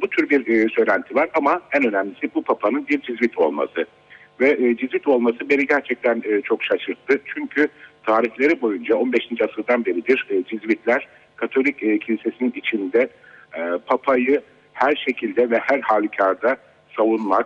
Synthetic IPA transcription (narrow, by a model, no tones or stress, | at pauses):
but̪ʰyɾbiɾːsø̞jlʲænt̪ʰivaɾamaænø̞nɛmlisibupʰapʰanɯnbiɾd͡ʒizvit̪ʰo̞̰lˠma̰sɯ | vɛʔd͡ʒizvit̪o̞lˠmasɯbe̞ɾiɟæɾt͡ʃʰɛc̚t̪ʰænːt͡ʃʰo̞kʃaʃɯɾt̪ʰːɯt͡ʃʰyɲcʰyt̪ʰaːɾiçlʲe̞ɾibo̞jund͡ʒao̞nbeʃind͡ʒasɯɾd̪anbe̞ɾid̪iɾd͡ʒizvit̪ʰlʲæɾ̥ | kʰat̪ʰo̞lʲicːcʰːilʲise̞sininit͡ʃʰind̪ɛ | ɛpʰapʰajɯ | hæɾʃe̞cʰilʲd̪ɛvɛhæɾhaːlʲicʰaɾd̪a | savunmak̚